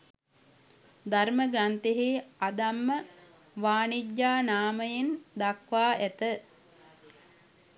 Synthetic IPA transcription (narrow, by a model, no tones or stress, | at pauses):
d̪aɾməɡɾant̪eɦeːad̪amːə | ʋaːnidjaːnaːməjend̪akʋaːʔæt̪ə